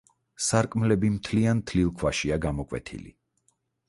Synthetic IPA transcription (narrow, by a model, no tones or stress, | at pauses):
saɾkʼmlɛbimt̪ʰliant̪ʰlilˠkʰwaʃiaɡamɔkʼwɛ̰t̪ʰḭlḭ